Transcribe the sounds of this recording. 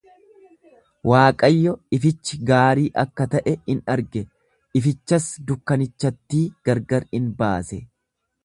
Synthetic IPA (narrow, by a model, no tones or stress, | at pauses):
waːkʼɐjːɔɪfɪt͡ʃːɪɡaːɾiːʔɐkːɐt̪ɐʔɛhɪnɐɾɡɛ | ɪfɪt͡ʃːɐsd̪ʊkːɐnɪt͡ʃːɐt̪ːiːɡ̥ɐɾɡɐɾɪnba̰ːsɛ